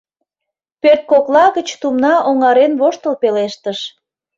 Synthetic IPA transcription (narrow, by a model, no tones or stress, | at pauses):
pørt̪̚koklɑɣət͡ɕt̪umnɑʔoŋɑɾenβoʃt̪əlpeleʃt̪əʃ